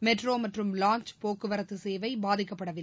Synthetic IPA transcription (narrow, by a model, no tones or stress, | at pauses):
mɛʈroːmɐʈrɯmlaːɲt͡ʃpoːkːɯʋɐɾɐt̪ːɯseːʋɐɪbaːðɪkːɐpːɐɽɐʋɪl